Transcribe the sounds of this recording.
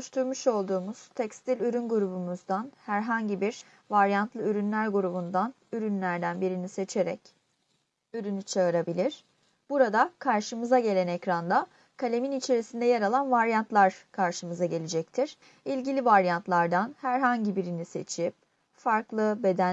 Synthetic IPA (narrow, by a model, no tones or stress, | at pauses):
ʃt̪ʰuɾmuʃo̞lˠd̪uːmuz̥t̪ʰɛcst̪ʰilʲyɾynɡuɾubumuzd̪anhæɾɦaɲɟibiɾ | vaɾjant̪lˠɯyɾynlʲæɾɡuɾubund̪an | yɾynlʲæɾd̪ænbiɾinise̞t͡ʃʰe̞ɾɛ̰c | yɾynyt͡ʃʰaɯɾabilʲiɾ̥ | b̥uɾad̪akʰaɾʃɯmɯzaɟe̞lʲænɛcɾand̪a | kʰalʲe̞minit͡ʃʰe̞ɾisind̪ɛjeɾalˠanvaɾjant̪lˠaɾ̥kʰaɾʃɯmɯzaɟe̞lʲed͡ʒɛc̚t̪ʰiɾ̥ | ilʲɟilʲivaɾjant̪lˠaɾd̪anhæɾɦaɲɟibiɾinise̞̰t͡ʃʰip̚ | faɾklˠɯbe̞d̪æn